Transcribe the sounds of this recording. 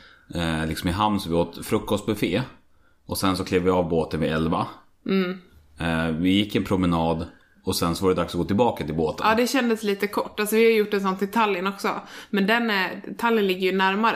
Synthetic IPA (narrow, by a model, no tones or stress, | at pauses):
lɪksɔmɪɦamnsɔvɪoːt̪fɾɵkːɔst̪̚bɛfeː | ʔɔsɛnsɔkʰleːvvɪɑːvboːt̪ənvɪɛlva | vɪjɪkːɪɛnpʰɾʊmɛnɑːd̪ | ɔsɛnsɔvaɾɛɛd̪aksɔɡoːt̪ɪlbɑːkat̪ʰɪlboːt̪ə̰ːd̪ɛɕɛnd̪əsliːt̪əkʰɔʈːalsɔvɪhajʏjʊʈːɛnsɔnt̪ɪt̪ʰaljənɔksɔ̰mɛnd̪ɛnt̪ʰaljənlɪɡːəɾjɵnæɾmaɾ